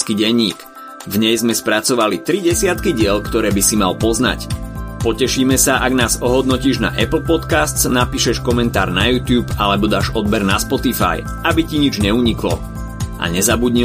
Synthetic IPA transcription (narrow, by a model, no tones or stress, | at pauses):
skiɟɛɲːḭːk | vɲɛjzmɛspɾat͡sɔʋalit̪ɾiɟɛsɪat̪kiɟɪɛʎkt̪ɔɾɛːbisimalpɔzna̰cpɔcɛʃiːmɛsaʔaɡnaːzɔɦɔd̪nɔciːʒna̰ʔɛpl̩pɔt̪kast̪t͡snapiːʃɛʃkɔmɛnt̪a̰ːɾnajuːt̪juːpalɛbɔd̪aːʒɔd̪̚bɛɾnaspɔt̪ifa̰j | ʔabiciɲid͡ʒɲɛuɲiklɔ̰ | ʔa̰ɲɛzabudɲi